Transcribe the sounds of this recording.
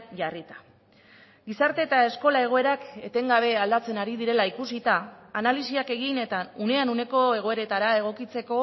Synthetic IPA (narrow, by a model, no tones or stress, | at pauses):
ʝarit̪ḁ | ɡisaɾt̪e̞ːt̪ae̞sko̞lae̞ɣ̞o̞e̞ɾake̞t̪e̞ŋɡaβ̞e̞ald̪at͡se̞naɾiðiɾe̞laikusit̪aːnalisiake̞ɣ̞ine̞t̪aune̞anune̞ko̞e̞ɣo̞e̞ɾe̞t̪aɾae̞ɣ̞o̞kit͡se̞ko̞